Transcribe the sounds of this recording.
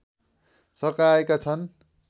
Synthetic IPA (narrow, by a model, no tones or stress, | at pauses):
sʌkaekat͡sʰʌn